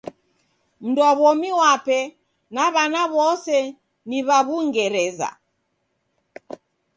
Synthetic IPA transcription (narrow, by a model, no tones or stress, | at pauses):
m̩dɔβɔmiwapɛ | naβanaβɔsɛ | niβaβuŋɡɛɾɛza̰